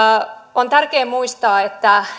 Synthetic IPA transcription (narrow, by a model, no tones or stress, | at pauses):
ont̪ærkeːmuist̪ɑːet̪ːæ